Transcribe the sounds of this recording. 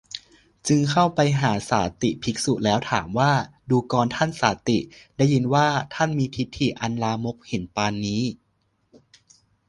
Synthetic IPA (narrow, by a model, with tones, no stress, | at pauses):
t͡ɕɯ˧ŋkʰa˥˩wpa˧jɦaː˩˦saː˩˦t̪i˨˩pʰi˦˥k̚su˨˩lɛː˦˥wt̪ʰaː˩˦mwaː˥˩ | duː˧kɔː˧nt̪ʰa˥˩nsaː˨˩˦t̪i˨˩daː˥˩jːi˧nwaː˥˩t̪ʰa˥˩nmiː˧pʰi˦˥t̪ʰːiː˨˩ʔa˧nlaː˧mo˦˥k̚he˩˦npaː˧nːiː˦˥